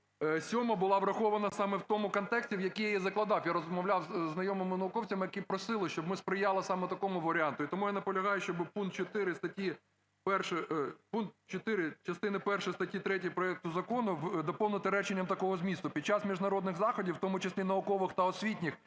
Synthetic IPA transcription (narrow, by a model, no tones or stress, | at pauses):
sʲɔmɐbʊlˠɑʋɾɐxɔʋɐnɐsɑmɛwt̪ɔmʊkɔnt̪ɛksʲtʲiwjɐkijjɛzɐklˠɐd̪ɑwjaɾɔzmɔwlʲɑwznɐjɔmɪmɪnɐʊkɔwt͡sʲɐmɪjɐkipɾɔsɪlˠɪʃt͡ʃɔbmɪspɾɪjɑlˠɪsɑmɛt̪ɐkɔmʊʋɐɾʲɪɑnt̪ʊit̪ɔmujanɐpɔlʲɐɦɑjʊʃt͡ʃɔbɪpunk̪̚t͡ʃɔt̪ɪɾɪst̪ɐtʲi | pɛrʃɛpunk̚t̪t͡ʃɔt̪ɪɾɪt͡ʃɐst̪ɪnɪpɛrʃɪjst̪ɐtʲjit̪ɾɛtʲiipɾɔɛk̚t̪ʊzɐkɔnʊd̪ɔpɔwnɪt̪ɪɾɛt͡ʃɪnʲːɐmt̪ɐkɔɦɔzmʲist̪ʊpʲid̪̚t͡ʃɑsmʲiʒdnɐɾɔd̪nɪɣzɑxɔdʲiwt̪ɔmʊt͡ʃɪsʲlʲinɐʊkɔʋɪxt̪ɐɔsʲʋʲitʲnʲɪx